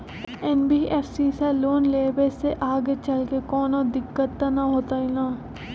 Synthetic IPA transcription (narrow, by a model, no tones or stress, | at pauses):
ɛnbiːeːfsiːseloːnleːbeseʔaːɡet͡ʃɐlkekɔːnod̪ɪkːət̪ːanaɦoːt̪ailãː